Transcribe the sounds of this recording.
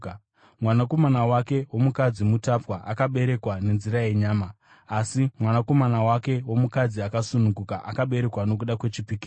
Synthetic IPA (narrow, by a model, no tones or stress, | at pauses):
mwanako̞manawake̞wo̞mukad͡zimutapwaʔakaɓe̞ɾe̞kwane̞nziɾaje̞ɲaːmaː | simwanako̞manawake̞womukad͡ziakasunuŋɡukaʔakaɓe̞ɾe̞kwano̞k̬uɗakwe̞t͡ʃipiki